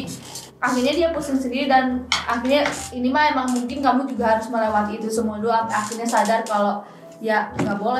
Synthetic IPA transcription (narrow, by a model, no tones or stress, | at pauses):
ʔaxirɲadiapusɪŋsədiidanaxirɲainimaemaŋmuŋkɪnkamud͡ʒuɡaɦaɾʊsməlewat̪iːt̪usəmuaduaaxirɲasadarkalo | jaŋɡaʔbolɛ